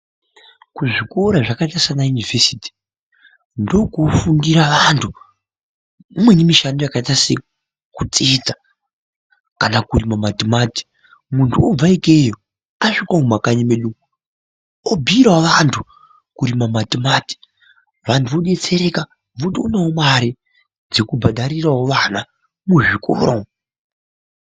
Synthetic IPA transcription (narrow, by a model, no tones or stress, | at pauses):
kuʐiko̞ɾaʐakaitasanajunive̞siːti̥ | ndo̞kofundiɾaʋantʰu | imwe̞nemiʃano̞jakaitase | kut͡sed͡za | kanakurimamatimaːti̥ | muntʰuob͡vaikejo | aʂikwamumakaɲimeɗuu | obʱiːɾwaʋantʰu | kuɾimamatimaːti̥ | ʋantʰuʋoɗe̞t͡se̞ɾe̞ka | ʋutiunaomaɾi | d͡zekubʱaɗaɾirawoʋana | muʐiko̰ːɾo